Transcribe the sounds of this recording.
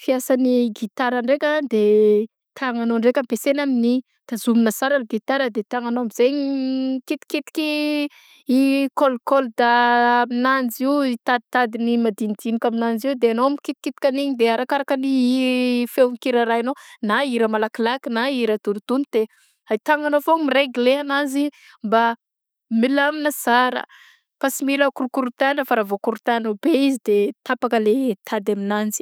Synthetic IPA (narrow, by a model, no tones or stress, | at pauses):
fiasaniɡit̪aɾaɳɖ͡ʐekʲad̪e | t̪ʰaŋanoɳɖ͡ʐekampesenamini | d̪̥azuminasaɾaliɡit̪aɾəd̪et̪aŋanoamizeɲkit̪i̥kit̪i̥kʲi | ikolkold̪aaminand͡ziwit̪ad̪it̪ad̪inimad̪ind̪inikaminand͡ʒiud̪eanoamikit̪i̥kit̪i̥kʲaniɲd̪eaɾakaɾakəni | feŋikiɾaɾajanonaiɾəmalakilakinaiɾad̪unud̪̥unit̪e | ait̪aŋɡanofomiɾeɡleanazi | mba | milaminəsaɾə̰ | pasimiləkuɾukuɾut̪anəfaɾavokuɾut̪anobeizid̪et̪apakəlet̪ʰad̪aminand͡zi̥